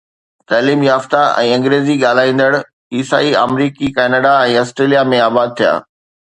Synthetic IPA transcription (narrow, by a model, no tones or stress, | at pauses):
t̪aːliːmjaːft̪aɛ̰̃ːɐ̃ŋɡɾeːziɠaːl̤aːĩːn̆d̪əɽ | iːsa̰ːia̰ːmɾiːkikɛːnəɖaɛ̃ːɔːsʈɾeːlijamẽaːbaːd̪̚t̪ʰija̰ː